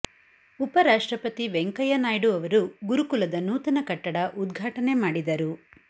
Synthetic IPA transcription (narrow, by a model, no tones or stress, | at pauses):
upɐɾaːʂʈɾɐpɐt̪iʋeŋkɐjɐnaːjɽuɐʋɐɾuɡuɾukulɐd̪ɐnuːt̪ɐnɐkɐʈːɐɽɐʔud̪ɡʱaːʈɐne̞maːɽid̪ɐɾu